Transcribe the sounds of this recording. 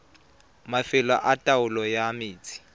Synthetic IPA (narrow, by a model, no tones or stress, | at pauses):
mafɪla̰ʔatʼaʊlɔjamɪːt͡sʼi̥